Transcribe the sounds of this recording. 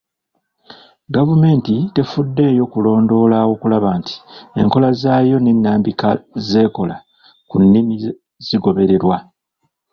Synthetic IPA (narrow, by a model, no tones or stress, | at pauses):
ɡavume̞ːntite̞fudːe̞ːjo̞kulo̞ːndo̞ːlawo̞kulaβaːnti̥e̞̰ŋko̞lazaːjo̞ne̞nːaːmbikaze̞ːko̞la | kunːimi | z̥iɡo̞βe̞ɾe̞ɾwa